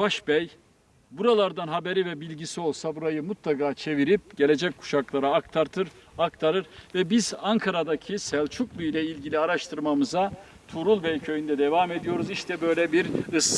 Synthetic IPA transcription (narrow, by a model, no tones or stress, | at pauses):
vaʃbɛj | buɾalˠaɾd̪anɦabe̞ɾivɛbilʲɟisio̞lˠsabuɾajɯmut̪lˠakʰaːt͡ʃʰe̞viɾip̚ɟ̥e̞lʲe̞d͡ʒɛc̚kʰu̥ʃaklˠaɾaːkt̪ʰaɾt̪ʰɯɾ | akt̪ʰaɾɯɾvɛbizaŋkʰaɾad̪acʰisɛlʲt͡ʃʰuklˠujlʲɛilʲɟilʲiaɾaʃt̪ʰɯɾmamɯza | t̪ʰuɾulˠbɛjcʰøjynd̪ɛd̪evaːme̞d̪ijo̞ɾuziʃt̪ʰɛbø̞jlʲɛbiɾɯs